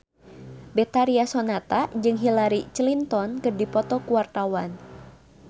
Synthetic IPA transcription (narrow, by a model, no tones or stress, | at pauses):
bɛt̪aɾiasɔnat̪ad͡ʒɨŋɦilaɾit͡ʃlint̪ɔnkɨrdipɔt̪ɔkuwart̪awan